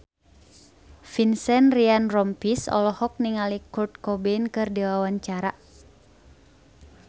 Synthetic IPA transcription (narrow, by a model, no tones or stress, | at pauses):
finsɛnrianrɔmpisɔ̰lɔhɔk̚niŋalikurt̪̚kɔbɛnkɨrdɛwawaɲt͡ʃaɾa